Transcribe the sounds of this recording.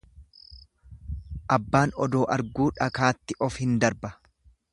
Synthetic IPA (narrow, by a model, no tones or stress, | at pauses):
ʔɐbːaːnɔd̪oːʔɐɾɡuːᶑɐkaːt̪ːɪʔɔfhɪnd̪ɐɾbɐ